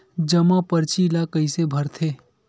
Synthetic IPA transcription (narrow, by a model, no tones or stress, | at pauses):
d͡ʒəmãpəɾt͡ʃilakəisebʱɐɾt̪ʰeː